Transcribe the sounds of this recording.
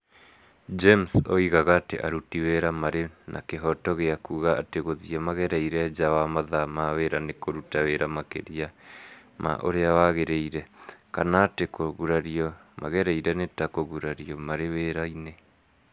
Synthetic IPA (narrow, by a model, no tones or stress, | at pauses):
d͡ʒemso̰iɣaɣaːtḛʔaɾutiweɾamaɾenʔa̰keɦɔtɔɣeakuːɣaateɣoðiɛmaɣɛɾɛiɾɛd͡ʒawamaðamaweɾanekoɾutaweɾamakḛɾiama̰ʔo̰ɾeawaɣeɾeiɾɛka̰naːtekoɣuɾaɾiɔmaɣɛɾɛiɾɛnetakoɣuɾaɾiɔmaɾeweɾaine